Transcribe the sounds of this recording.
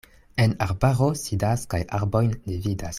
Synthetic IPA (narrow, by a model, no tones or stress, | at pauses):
enaɾbaʁo̞sidaskajaɾbo̞jndividas